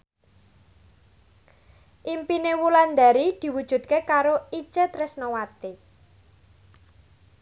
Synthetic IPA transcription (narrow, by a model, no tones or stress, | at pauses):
ʔimpinewuland̪a̤ɾid̪̥i̤wud̥ʒ̥ṳt̪̚kekaɾoit͡ʃet̪ɾɪsnowat̪e